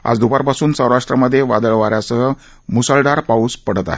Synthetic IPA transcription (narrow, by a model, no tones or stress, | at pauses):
a̰d͡zd̪ubaɾpasuːnsə̃wɾaʂʈɾəməd̪ʱːjeʋa̰d̪əɭʋaɾjasəɦə | musəlɖaɾpauspəɽ̤ət̪a̰ɦe